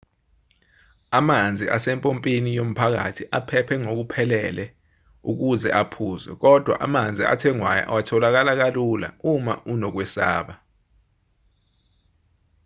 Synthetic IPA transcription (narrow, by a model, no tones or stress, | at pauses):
amand͡zʱiʔasɛmpʼompʼinijom̩pʰak̬a̰tʰiʔapʰɛpʰɛŋok̬upʰɛlɛlɛ | ṵk̬uzɛʔapʰuːzɛ̰k̬ɔd̥ʱwa̰ʔamand͡zʱia̰tʰɛŋwaja̰ʔa̰watʰɔlak̬alak̬alula̰umaʔunɔk̬wɛsa̰ːɓa